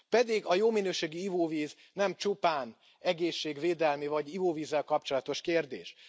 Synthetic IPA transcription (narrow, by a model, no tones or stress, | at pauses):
pɛd̪iɡɒjoːminøːʃeːɡiivoːviːz | nɛmt͡ʃupaːn | ɛɡeːʃːeːɡveːd̪ɛlmivɒɟivoːviːzːɛlkɒp̚t͡ʃo̞lɒt̪o̞ʃkeːrd̪ḛːʃ